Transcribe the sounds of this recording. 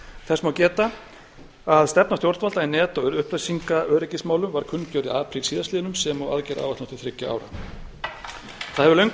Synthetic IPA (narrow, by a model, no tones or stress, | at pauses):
θɛsmaːwcɛːt̪a | aðst̪ɛp̚nast̪jowɾt̪valt̪ainɛːt̪ɔɣʏɾʏhplœsiŋkaœːɾɪcɪsmaːwlʏmvaɾ̥kʰʏnːcœːɾɪaːpʰɾisiːðast̪ɪːðʏnʏmsɛmɔa̰ðcɛɾa̰ːwvaht̪ɔ̥t̪ʏ̥θɾɪcːaa̰ːwɾa̰ | θaðhɛvʏlœʏjŋk